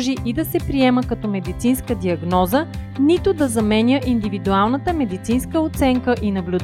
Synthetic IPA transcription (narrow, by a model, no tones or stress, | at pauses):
ʒiʔid̪ɐsɛpɾiɛməkɐt̪ɔmɛd̪it̪sinskəd̪iɐɡnɔzə | nit̪ʊd̪ɐzɐmɛnʲəʔind̪ivid̪ualˠnət̪əmɛd̪it̪sinskəot̪sɛŋkəʔinɐblʲʊd̪